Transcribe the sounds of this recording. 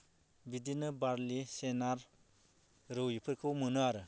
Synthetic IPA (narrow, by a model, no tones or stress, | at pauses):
bidinɯbaɾlisenaɾ | ɾɯwjipʰɯɾkʰɯwmɯnɯaɾɯ